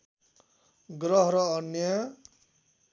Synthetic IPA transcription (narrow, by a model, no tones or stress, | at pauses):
ɡɾʌɦɾʌːnjʌ